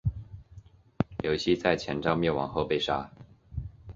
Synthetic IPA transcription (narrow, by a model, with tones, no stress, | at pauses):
ljo˧˥ʊɕi˥t͡sa˥˩ɪt͡ɕʰjɛ˧˥nʈ͡ʂɑ˥ʊmjɛ˥˩wɑ̰˧˥˦ŋxɤ˥˧pe˥˩ɪʂa̰˥